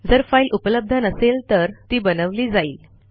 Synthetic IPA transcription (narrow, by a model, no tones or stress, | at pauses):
d͡zəɾfailʔupələb̚d̪ʱənəselt̪əɾt̪iːbənəʋliːd͡zaiːl